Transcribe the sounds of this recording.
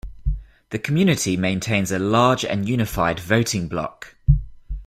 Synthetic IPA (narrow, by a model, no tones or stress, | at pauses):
ðəkʰəmjʉːnɪtʰimẽɪ̃ntʰẽɪ̃nzəlɑːd͡ʒə̰̃njʉːnɪfaɪdvəʊtʰɪ̃ŋblɒ̰k